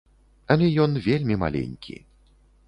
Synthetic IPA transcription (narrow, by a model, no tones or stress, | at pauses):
ɐlʲɛjɔnvʲelʲmʲima̰lʲḛnʲkʲʰḭ